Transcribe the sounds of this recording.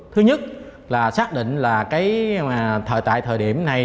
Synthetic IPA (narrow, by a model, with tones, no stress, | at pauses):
t̪ʰɨ˨˦ɲə˦˥t̚ | laː˨˩saː˦˥k̚ɗḭ̈˧˨ŋ̟laː˨˩kaː˨˦jt̪ʰə̰ː˧˨jt̪a̰ː˧˨jt̪ʰəː˨˩jɗi˧˩əmna˨˩j